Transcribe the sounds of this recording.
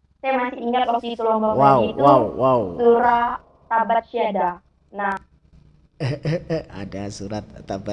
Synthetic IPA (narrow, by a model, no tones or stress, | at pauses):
sajamasiʔiŋat̪̚ak̚sit̪ulɔmbɔkwaawit̪wawwawsuɾa | t̪abat̪̚ʃiada | nah | a̰dasuɾat̪̚t̪aba